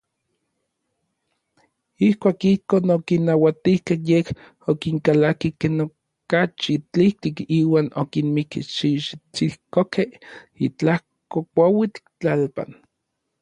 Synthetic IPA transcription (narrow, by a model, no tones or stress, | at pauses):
ihkʷaːkihkoːnokinːawat̪ihkehjeh | okiŋkalakikeːno | kat͡ʃit͡ɬiht̪ikiːwaːnokinmikiʃiʃt͡sihkokehit͡ɬah | kokʷawit͡ɬt͡ɬalpa̰n